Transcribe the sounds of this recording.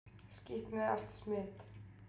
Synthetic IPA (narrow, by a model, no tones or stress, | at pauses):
skiht̪mɛaɬt̪smɪːt̪